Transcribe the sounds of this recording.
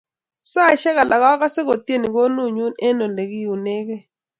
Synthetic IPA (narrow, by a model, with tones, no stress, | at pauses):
sa˦˨ʃɛ˦ɣa˨la˨ɣa˦ɣa˦se˦ɣo˨ti˦e˦˨ni˨ko˦nu˦˨ɲu˦nɛ˦nɔ˨le˨ki˦ju˨ne˦kɛ˦